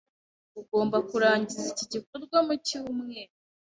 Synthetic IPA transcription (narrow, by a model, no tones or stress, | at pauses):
uɡo̞ːmbakuɾaːɲɟiziciɟikoɾɡwamuciwumŋe